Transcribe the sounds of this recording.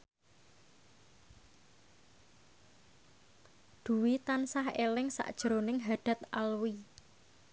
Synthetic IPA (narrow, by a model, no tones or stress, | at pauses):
d̪̥ṳwit̪ansahḛlɪŋsa̰ʔd̥ʒ̥əɾonɪŋɦaɖ̪̥a̤t̪a̰lwi